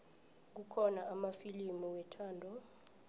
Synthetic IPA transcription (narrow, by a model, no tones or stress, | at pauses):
k̬ukʰɔnaamafilimuwɛtʰaːndʱɔ